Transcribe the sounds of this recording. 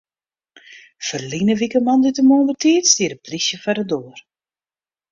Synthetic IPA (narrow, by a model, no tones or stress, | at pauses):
fərlinəʋikəmɑndɪtəmoːnvətiːtstiːəɾəprisjəfɛdədoːər